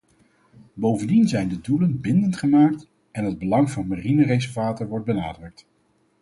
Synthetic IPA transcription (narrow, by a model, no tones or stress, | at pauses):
bowvəndinzɛjndədulənbɪndəntχəmaːk̚t | ɛnɦəd̚bəlɑŋvɑnmarinərezəvaːtəɹʋɔɹt̚bəna̰ːdrɵk̚t